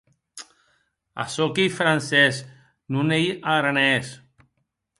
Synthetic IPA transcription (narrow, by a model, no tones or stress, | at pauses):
a̰sokijfɾanses | nunejaɣɾanes